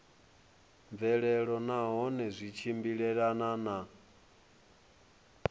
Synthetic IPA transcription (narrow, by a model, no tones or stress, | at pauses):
ɱvɛɺɛɺɔnaɦɔnɛzʷit͡ʃʰimbiɺɛɺanana